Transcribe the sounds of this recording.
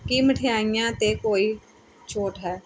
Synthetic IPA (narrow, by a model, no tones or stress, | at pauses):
kiməʈʰɪjaːijãːt̪eːkoːiː | t͡ʃʰoːʈɦɛː